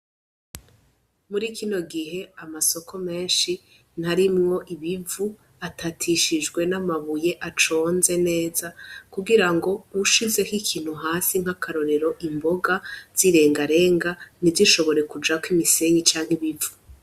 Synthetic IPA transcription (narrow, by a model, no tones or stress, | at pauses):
muɾiːkino̞ɡiɦe̞amaso̞kʰo̞me̞ːnʃi | n̥haɾimŋo̞ʔiβivu | atʰatʰiʃid͡ʒɡwe̞namaβuje̞ʔat͡ʃo̞ːnze̞ne̞ːzakuɡiɾaŋɡo̞uʃize̞hikʰiːn̥huɦaːsiŋ̥hakaɾo̞ɾe̞ɾo̞ʔimbo̞ɡaz̥iɾe̞ːŋɡaɾe̞ːŋɡanivziʃo̞βo̞ɾe̞kud͡ʒakwimise̞ɲit͡ʃaːŋ̥hiβivu